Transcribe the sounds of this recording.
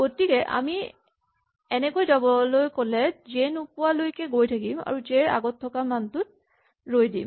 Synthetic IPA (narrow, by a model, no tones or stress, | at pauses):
ɡotikɛʔa̰mi | ɛnɛkojzabɔlojkɔlɛzenupʊalojkɛɡojtʰakima̰ɹuzɛɹa̰ɡɔtʰːɔkamantʊt̚ | ɹojdim